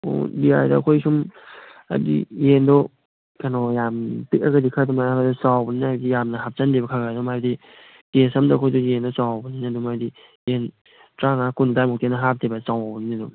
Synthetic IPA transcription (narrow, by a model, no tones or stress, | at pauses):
o̰biajdakʰojsum | a̰bḭjendɔ | kanɔjamtɯk̚aɡadikʰadɔmajabadɔsawbɐninaadijamnɐɦap̚t͡ʃandibakʰaɡajdɔmajbadi | tesamdakʰojdɔjendɔsawbɐninadumadi | jen | tɾaŋakundajmɔk̚tenaɦap̚tʰebat͡ʃawabɐninadum